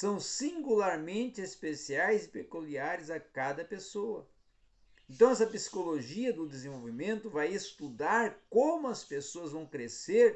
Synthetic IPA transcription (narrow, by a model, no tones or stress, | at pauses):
sɐ̃w̃sĩŋɡulaɾmẽnt͡ʃ̪ɪespesiajzɪpekuliaɾɪzɐkad̪ɐpesoɐ̰ | ẽnt̪ɐ̃w̃ɛs̬ɐpisi̥koloʒiɐd̪ʊd̪ezẽvowvimẽnt̪ʊvajest̪ud̪aɾkõmʊɐspesoɐzvɐ̃w̃kɾeseɾ